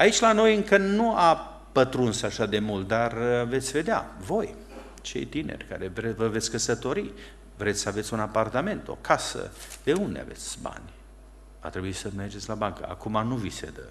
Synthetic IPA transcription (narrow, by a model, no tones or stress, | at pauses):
ait͡ʃʲlano̞jɨŋkənua | pət̪ɾunsaʃad̪e̞mult̪̚d̪arve̞t̪sʲve̞d̪ea̰vo̞j | t͡ʃe̞̰jt̪inḛrʲka̰ɾevevəve̞t̪sʲkəsət̪o̞ɾi | vɾet̪sʲsəave̞t̪sʲunapart̪ame̞nt̪o̞̰kʰasə̰d̪̥e̞und̪ḛa̰ve̞̰t̪sʲba̰nʲ | va̰t̪ɾe̞buisəme̞rd͡ʒet̪sʲlabaŋkə̰a̰kumanuvisḛd̪ə̰